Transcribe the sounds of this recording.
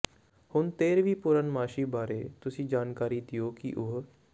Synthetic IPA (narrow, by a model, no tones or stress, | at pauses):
hʊnt̪eːɾʋiːpʊɾənmaːʃiːbaːɾeːt̪ʊsĩːd͡ʒaːnkaːɾiːd̪ijoːkḭʔʊɦ